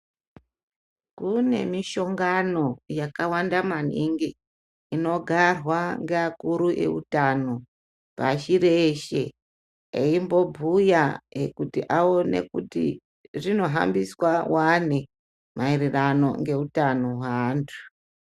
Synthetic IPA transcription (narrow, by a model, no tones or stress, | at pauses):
kune̞miʃo̞ŋɡano̞jakawandamaniŋɡi | ino̞ɡʱarwaŋɡeakuɾuʔe̞̰ṵtano | paʃiɾeʃe̞̰ | eimbo̞bʱujaekutiʔaonḛkutḭ | ʐino̞ɦa̰mbiswawane | mairirano̞̰ŋɡe̞utanoɦwantʰu̥